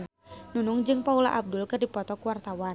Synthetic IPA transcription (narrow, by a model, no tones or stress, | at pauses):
nunuŋd͡ʒɨŋpaula̰ʔab̚dʊlkɨrdipɔt̪ɔkuwart̪awa